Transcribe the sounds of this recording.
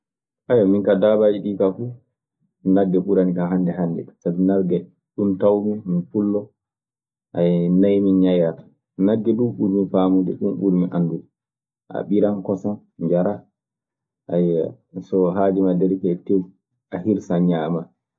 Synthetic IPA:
ʔajaminkadabad͡ʒiɗiːkafu | naɡːɛɓuɾanikanɦandɛɦandɛ̰sabinalɡɛ | ɗuntawmiminfulːɔ | ʔajnajminɲajatḁ | naɡːɛɗunɓuɾmifaːmud͡ʒɛ̰ɗunɓuɾmiʔandudɛ | ʔa̰ɓiɾankɔsan | d͡ʒaɾa | ʔaj | sɔɦad͡ʒimadɛɾikɛtew | ʔahiɾsaɲaːma

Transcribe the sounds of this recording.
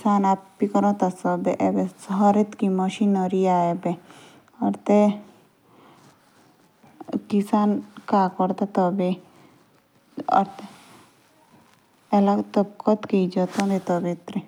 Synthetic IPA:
kisanapːikɔɾɔ̃t̪asɔbɛʔɛbesɔɦaɾet̪kimɔʃinɔɾiaɛbɛ | ɔɾt̪e | kisankakɔɾt̪at̪ɔbe | ɔ̰ɾt̪e | lat̪ɔb̚kɔt̪kejd͡ʒɔt̪ɔmet̪ɔbet̪ɾe

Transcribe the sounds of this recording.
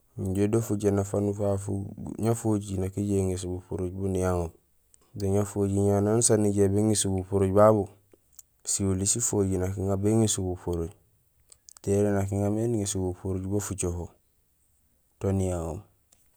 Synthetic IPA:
ɲɟedofuɟenafanufafṵɲafoɟinakiɟeŋis̬ubupuɾuɟbunijaŋom | doɲafoɟiɲanansaniɟebeŋisubupuɾuɟbaβu | siulisifoɟinakiŋabeŋisubupuɾuɟ | teɾenak̬iŋameniŋisubupuɾuɟbofut͡ʃoɦo | tonijaŋo̰m

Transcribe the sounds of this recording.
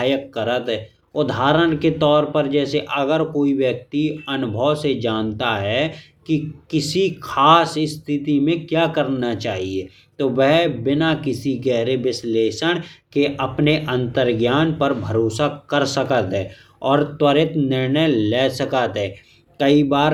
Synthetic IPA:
jəkːəɾət̪ɦɛ | ʊd̪ʱaːɾəɽ̃ket̪ɔːɾpəɾd͡ʒɛːseʔɐɡəɾkoːiʋjək̚t̪iɐnʊbʱəʋsed͡ʒaːnt̪aɦɛ | kikɪsikʰaːsɪst̪ʰɪt̪imẽkjaːkəɾnat͡ʃaːɦie | t̪oʋɛɦbɪnakɪsiɡɛɦɾeʋɪsleːʃəɽ̃keʔɐpneʔə̃nt̪əɾɡjaːnpəɾbʱəɾoːsakəɾsəkət̪ɦɛː | ɔːɾt̪wəɾɪt̪nɪɾnəjlɛːsəkət̪ɦɛː | kəibaːɾ

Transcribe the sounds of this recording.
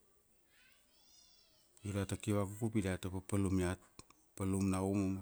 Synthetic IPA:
juɾatakiβakukupidatapapalumiat̚ | palumnaumom

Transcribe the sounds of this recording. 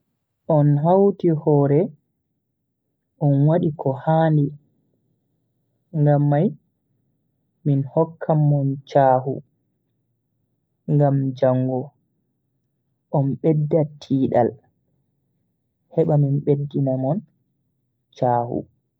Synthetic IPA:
ʔɔnɦawtihɔːɾɛ | ʔɔnwaɗikʰɔhaːndi | ŋɡamːaj | minhɔkʰːamːɔnt͡ʃaːhṵ | ŋɡamd͡ʒaŋːɡɔ | ʔɔnɓɛdːatʰiːɗa̰l | hɛɓaminɓedːinamɔn | t͡ʃaːhṵ

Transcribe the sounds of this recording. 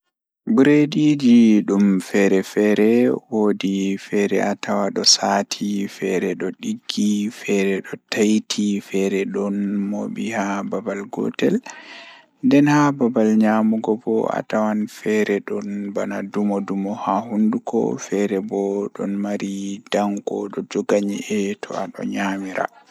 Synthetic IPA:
buɾedid͡ʒiɗumfɛɾɛfɛɾɛwoːdifɛɾɛʔatʰawaɗɔsatʰifɛɾɛɗɔɗiɡːifɛɾɛɗɔtajtʰifɛɾɛɗɔnmo̰bihababalɡɔ̰tɛl | ndɛnhababalɲamuɡɔbɔa̰tawanfɛɾɛɗɔnbanadumɔdumɔhahundukɔ̰fɛɾɛbɔɗɔnmaɾid̥aŋkɔɗɔd͡ʒɔɡaɲḭʔɛtʰɔ̰aɗɔ̰ɲamiɾa̰

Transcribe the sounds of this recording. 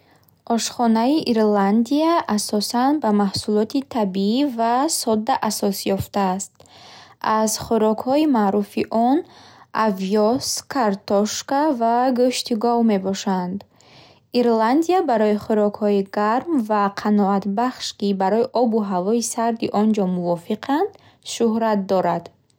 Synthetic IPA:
ʔɔʃχɔnaiʔiɾland̪iaʔasɔsanbamahsulɔt̪it̪ʰabiivasɔd̪ːaʔasɔsjɔft̪aːst̪̚azχuɾɔkhɔimaɾufiʔɔnaviɔskʰaɾt̪ɔʃkavaɡɔʃt̪iɡɔvme̞bɔʃand̪ | iɾland̪ijabaɾɔiχuɾɔkhɔiɡaɾmvaqʰanɔat̪baχʃkibaɾɔiʔɔbuɦavɔisaɾd̪iʔɔnd͡ʒɔmuvɔfiqʰand̪̥ | ʃuhɾat̪̚d̪ɔɾad̪̥

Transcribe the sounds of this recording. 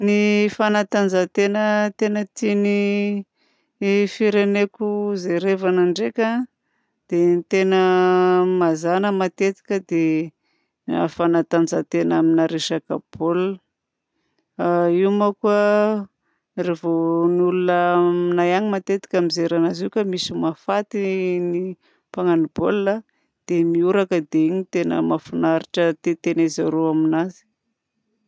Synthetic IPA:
nifanat̪and͡zat̪enət̪enət̪ini | fiɾenekʲuzeɾevanaɳɖ͡ʐekʲa | d̪̥enit̪enə | mazanəmat̪et̪i̥kʲəd̪e | fanat̪and͡zat̪enaminaɾeʃakabol | iwmakuə | revonulunəminajaɲimat̪et̪i̥kʲamizeɾanaziukamisimafat̪ini | paŋanibolːa | d̪̥emiuɾakəd̪eiɲit̪enə̰mafunaɾiʈ͡ʂət̪et̪enezaɾoaminazi̥

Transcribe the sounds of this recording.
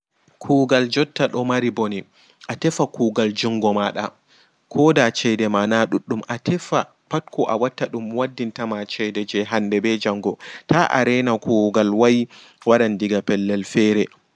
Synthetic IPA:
kʰuːɡald͡ʒɔtːaɗɔmaɾiboni | ʔatɛfakuːɡald͡ʒuŋɡɔmaɗa | kʰɔdat͡ʃɛjdɛmanaɗuɗːumʔatʰɛfa | patkɔʔawatːaɗumwadːintamat͡ʃɛjdɛd͡ʒɛɦandɛbɛd͡ʒaŋɡɔtʰaʔa̰ɾɛnakuɡalwaji | waɗandiɡapɛlːɛlfɛɾɛ

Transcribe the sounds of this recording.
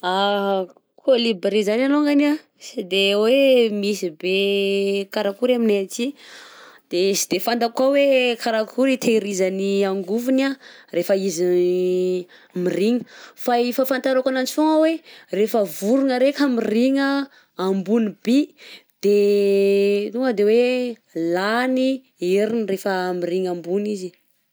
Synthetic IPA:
a | kʰolibeɾizananoŋɡana | sid̪ewemisibe | kaɾakuɾamineat͡si | d̪̥esi̥d̪efand̪akawekʰaɾakʰuɾit̪ʰeɾizaniaŋɡuvunarefəizi | miriŋə̥faifafant̪aɾakanant͡suŋawerefəvuɾunəɾekʲəmiriŋəː | mbunibid̪̥e | nuəd̪ewe | lani | iɾinirefəmiɾiŋambunizi

